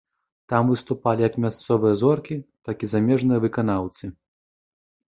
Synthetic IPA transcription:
t̪amvɨst̪upalʲijɐkmʲast̪sɔvɨjɐzɔrkʲit̪akʲizamʲɛʐnɨjɐvɨkan̪awt̪sɨ

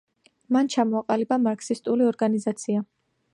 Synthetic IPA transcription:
mant͡ʃʰamɔaqʼalibamaɾksist̪ʼuliɔɾɡanizat̪sʰia

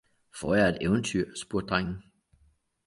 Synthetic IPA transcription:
fɒ̰ːjɑɐe̝d̥eʊnt͡sʰyɐ̰sb̥uɐ̰d̥̚d̥ʁaŋ̰n̩

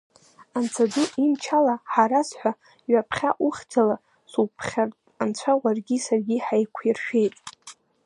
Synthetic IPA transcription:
ant͡sʰadɨʔimt͡ʃʰalaħaɾasħʷa | ɥapʰχʲaʔʊχʲd͡zala | supʰχʲartʼ | ant͡ɕʷʰawʷarɡʲisarɡʲiħajkʷʰjirʃᶣe̞jtʼ

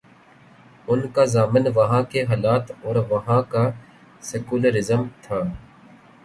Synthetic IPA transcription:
ʊnkazaːmɪnʋəɦãːkeɦaːlaːt̪ɔːɾʋəɦãːkaː | sɛkuːləɾɪzəmt̪ʰaː

